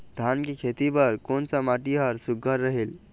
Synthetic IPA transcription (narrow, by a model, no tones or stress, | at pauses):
d̪ʱankikʰet̪ibəɾkont͡samaʈiɦəɾsuɡːəɾːəɦeːl